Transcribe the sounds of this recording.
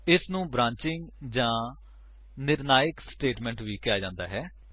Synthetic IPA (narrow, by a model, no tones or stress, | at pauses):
ɪsnũːbɾãːɲt͡ʃɪŋɡd͡ʒãː | nɪɾnaːjɪksʈeːʈmɛ̃ːɳʈʋiːkɪjaːd͡ʒãːnd̪a̰ːɦɛː